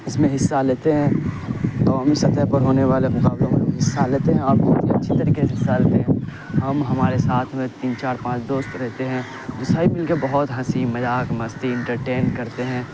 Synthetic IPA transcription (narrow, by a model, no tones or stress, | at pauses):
ɪsmẽɦɪsːaleːt̪eɦɛ̃ː | t̪ɔːmisɐt̪əɦpɐɾɦoːneʋaːlemʊkaːblõmẽɦɪsːaleːt̪eɦɛ̃ɔːɾbɔɦɔt̪ʰiɐ̰tːʃʰit̪ɐɾiːkeseɦɪsːaleːt̪eɦɛ̃ | ɦɐmɦɐmaːɾesaːt̪ʰmẽt̪iːnt͡ʃaːɾpãːt͡ʃd̪oːst̪ɾɛɦt̪eɦɛ̃ | bɪsaːipɪlkebɐɦʊt̪ɦɐsimɐjaːkmɐst̪iɪ̃ɳʈəɾʈeːnkɐɾt̪eɦɛ̃ː